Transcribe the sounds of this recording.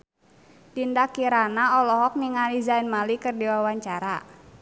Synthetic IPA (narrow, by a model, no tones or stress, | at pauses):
t̪indakiɾanaɔlɔɦɔk̚niŋadizainmalikɨrdiwawaɲt͡ʃaɾa